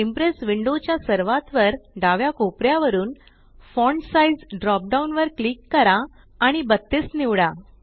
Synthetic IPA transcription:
impɾesʋiɳɖot͡ɕjasəɾʋat̪ʋəɾɖaʋjakopɾjaʋəɾuːn | fɔɳɖsaid͡zɖɾɔp̚ɖaunʋəɾklikːəɾaː | ɽ̃ibət̪ːesniʋɽa

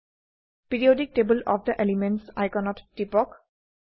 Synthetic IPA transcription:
piɹiodik̚ʈebəlɔfd̪əʔelimẽnʈsa̰jkɛnɔtːipɔk

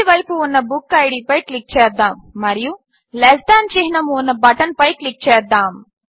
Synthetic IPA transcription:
iʋɐjpuːnːɐbukːɐjɽiːpɐjklik̚t͡ʃɛːd̪ːaːmːɐɾiju | lesʈaːnt͡ʃeɦinɐmunːɐbɐʈɐnpɐjklik̚t͡ʃɛːd̪ːaːm

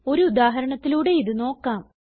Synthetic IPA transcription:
o̞ɾuud̪aːɦɐɾɐɳɐt̪ːiluːɽe̞iðɨno̞ːkːaːm

